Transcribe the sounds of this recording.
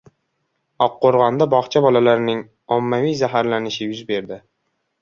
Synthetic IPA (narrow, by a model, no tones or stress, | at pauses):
ɒqːoɾʁɑnd̪abɒχt͡ʃʰabɒlalaɾnɪŋ | ɒmːavijzaɦaɾlanɪʃɪjʊzbe̞ɾd̪ɪ